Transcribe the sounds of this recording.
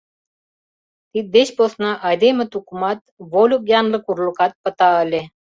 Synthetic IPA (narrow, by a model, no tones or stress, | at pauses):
t̪it̪̚d̪eɕposnɑʔɑd̪emə̆t̪ukumɑt̪̚volʲuk̚jɑnlə̆kurlukɑt̪̚pə̆t̪ɑəlʲe